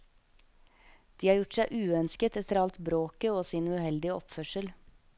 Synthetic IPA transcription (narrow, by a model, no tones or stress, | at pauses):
d̪̥iːɑːɾjʊʈsæɪʔʉːœnskət̪ɛt̪əɾɑlt̪bɾoːkəoːsiːnʉhɛld̪ɪəʔɔpfœʃəl